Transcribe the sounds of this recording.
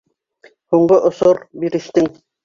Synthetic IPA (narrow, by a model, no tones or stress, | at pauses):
huɴɢoʔŏsoɾbiɾɘ̆ʃt̪ɘŋ